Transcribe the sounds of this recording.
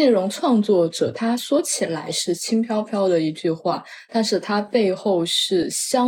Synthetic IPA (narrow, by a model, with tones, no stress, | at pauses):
e˥˩ɻʊ˧˥ŋʈ͡ʂʰwɑ˥˧ŋt͡swɔ˥˩ʈ͡ʂɤ˨˩t̪ʰa˥ʂwɔ˥t͡ɕʰi˨˩la˧˥ɪʂɻ̩˥˩t͡ɕʰi˥ŋpʰjɑ˥ʊpʰjɑ˥ʊd̪ə˨i˧˥t͡ɕy˥˧xwa˥˩ | t̪a˥˧nʂɻ̩˥˩t̪ʰa˥pe˥˧ɪxo˥˧ʊʂɻ̩˥˩ɕjɑ˥